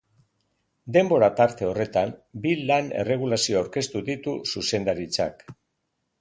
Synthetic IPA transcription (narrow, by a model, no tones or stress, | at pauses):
d̪e̞mbo̞ɾat̪aɾt̪e̞o̞re̞t̪ambilane̞̰re̞ɣ̞ulasioawɾke̞st̪uðit̪ususe̞nd̪aɾit͡sa̰k